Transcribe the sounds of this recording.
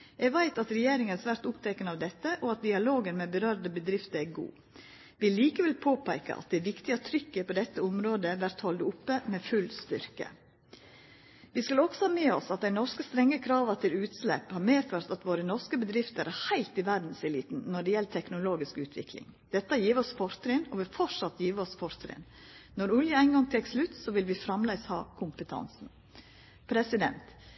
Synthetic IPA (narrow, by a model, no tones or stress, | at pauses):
jɛʋæɪt̪ɑt̪ɾɛjeːɾɪŋəsʋæɾt̪ʊpt̪ʰɛkənɑʋd̪ɛt̪ːəʔɔɑt̪̚d̪ɪɑloːɡənmɛbəɾœɾd̪əbəd̪ɾɪft̪əɾæɡṵː | ʋɪliːkəʋɛlpʰoːpʰæɪkə̰ʔɑ̰t̪̚d̪æɪʋɪkt̪ɪət̪ʰɾʏkːəpɔd̪ɛt̪ːəʊmɾoːd̪əʋæɾt̪hɔld̪ʊpːəmɛːfʉlst̪ʏɾkə̰ | ʋɪskʉlɔksɔhɑːmeːɔsɑt̪̚d̪æɪnɔɾskəst̪ɾɛŋːəkʰɾɑːʋət̪ʰɪlʉːt̪slɛ̰phɑːɾmeːføːɾt̪ɑt̪ʋoːɾənɔɾskəbəd̪ɾɪft̪əɾʔæɾhæɪlt̪ɪʋæɾd̪n̩sɛliːt̪n̩nːɔɖɛjɛlt̪ʰɛknʊloːɡɪskʉːt̪ʰʋɪ̰klɪ̰ŋd̪̥ɛt̪ːɑjiːʋəɔsfɔɾt̪ɾɪnɔʋɪlfɔʂɑt̪jiːʋəɔsfɔɾt̪ɾɪ̰n | nɔɾʊljəæɪnɡɑŋt̪ʰɛkslʉt̪sɔʋɪlʋɪfɾɑmlæɪshɑ̰ːkʰʊmpət̪ʰɑ̰nsn̩ | pʰɾɛsɪd̪ɛ̰nt̪